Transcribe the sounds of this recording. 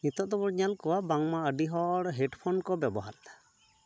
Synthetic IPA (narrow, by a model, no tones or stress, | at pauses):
nit̪ɔʔd̪ɔbɔɽɲalkɔwabaŋmaəɖiɦɔɽɦɛɖpʰɔnkɔbjɛbɔɦa̰ɾt̪ḁ